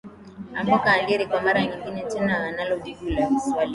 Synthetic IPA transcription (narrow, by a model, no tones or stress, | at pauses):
ambakaːliɛɾikwamaɾaɲiŋɡinɛtɛnaanalɔɗiɡulakuswali